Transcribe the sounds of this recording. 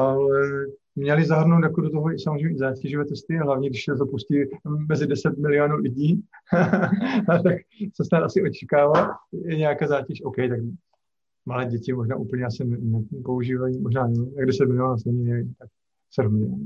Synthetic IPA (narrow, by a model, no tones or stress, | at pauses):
alɛ | mɲɛlɪzaɦr̩no̞wt̪jakodot̪oɦoɪsamozɾejmɛzaːcɛʒovɛːt̪ɛst̪ɪaɦlavɲiːɡdɪʃsɛot̪opuscɪmɛzɪdɛsɛt̪mɪlɪonuːlɪɟiː | t̪ak | sɛsnat̪asɪʔot͡ʃɛ̥kaːvajɛɲɛjakaːzaːcɛʃowkɛjt̪ak | malɛːɟɛcɪmoʒna̰ːʔupl̩ɲɛasɪnɛmot̪po̞uʒiːvajimoʒnaːnɛt̪aɡdɛsɛt̪mɪlɪjonasnɛmɲɛlɪt̪ak̚ | sɛɾozɲɛa